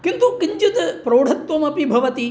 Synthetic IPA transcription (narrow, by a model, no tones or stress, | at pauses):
kɪnt̪ukɪɲt͡ʃɪt̪pɾoːɽ̤ɐt̪ːʋɐmɐpibʱɐʋɐt̪i